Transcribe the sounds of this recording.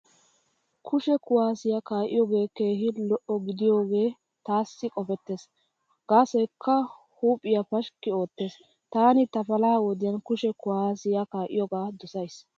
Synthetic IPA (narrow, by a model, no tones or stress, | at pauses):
kʰʊʃɛkʊwaːsɪjakaːʔɪjɔɡe̞ːke̞ːhɪlɔʔɔɡɪd̪ɪjo̞ːɡe̞ː | t̪aːsːɪkʼɔfɛt̪ːeːs | ɡ̥aːsɛkʰːɐ | huːpʼːɪjɐpɐʃkːɪo̞ːt̪ːe̞ːs | t̪aːnɪt̪ɐpɐlaːwɔd̪ɪjɐnkʊʃɛkʊwaːsɪjakaːʔɪjɔɡaːd̪ɔsɐjs